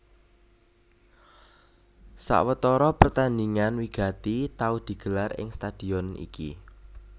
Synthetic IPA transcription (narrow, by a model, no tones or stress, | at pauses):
sa̰ʔwət̪ɔɾɔpərt̪andiŋanwiɡ̥a̤t̪it̪aud̪̥i̤ɡ̥ə̤larɪ̰ŋst̪ad̪̥i̤ɔnḭkḭ